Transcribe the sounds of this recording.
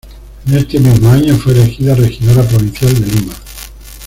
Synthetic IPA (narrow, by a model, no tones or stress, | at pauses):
enest̪emezmoaɲofwelexiðarexiðaɾap̬oβinθjald̪elima